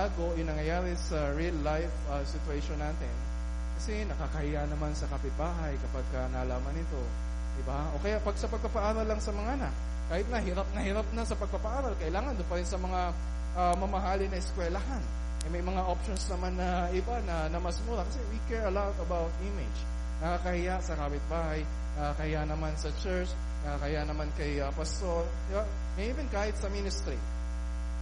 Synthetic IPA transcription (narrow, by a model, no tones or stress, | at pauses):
aːɡo̞ʔɪnɐŋjɐjaːɾɪsɐɹilːajf | ɐsɪt̪ʊɛʃonːaːt̪ɪn | kɐsɛnɐkakɐhɪjanɐmansɐkɐpɪt̪̚baːɦɐjkɐpaɡ̚kɐnaːlaːmɐnɪt̪o̞ | d̪ɪbaʔo̞kɐjapɐɡ̚sɐpɐɡ̚pɐpɐʔaːɾɐlːɐŋsɐmɐŋaʔɐnak̚ | kːaːhɪt̪̚nɐhɪɾap̚nɐhɪɾap̚nɐsɐpɐɡ̚pɐpɐʔaːɾɐlkɐʔɪlaːŋɐnd̪ʊnpɐɾɪnsɐmɐŋa | ʔamɐmɐɦaːlɪnɐʔɪskwɛlɐɦan | ʔɐjmɐjmɐŋaʔopʃonsnɐmanːɐ | ʔɪbanɐnɐmɐsmuːɾɐkɐsɛwikɛɹɐlat̪ɐbawt̪̚ʔɪmɪd͡ʒ | nɐkakɐhɪjasɐkaːpɪt̪̚baːhaj | nɐkakɐhɪjaʔnɐmansɐt͡ʃɛɹt͡ʃ | nɐkakɐhɪjanɐmankɐjɐpɐst̪oɾ | d̪ɪba | ŋɐjɪmɪnkaːhɪt̪̚sɐminɪst̪ɾi